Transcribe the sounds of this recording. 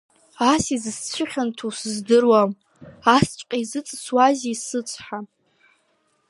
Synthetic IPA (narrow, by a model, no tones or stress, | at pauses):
asizɨst͡ɕʷʰɪχʲantʰusɨzdɨrwam | ast͡ʃʷʼqʲʼaizɨt͡sʼswazisɨt͡sʷʼħa